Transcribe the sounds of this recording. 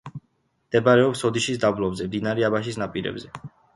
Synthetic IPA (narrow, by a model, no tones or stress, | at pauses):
md̪̥ɛbaɾɛɔpsɔd̪iʃisd̪ablˠɔbzɛmd̪inaɾɛabaʃ̬isnapʼiɾɛ̰bzɛ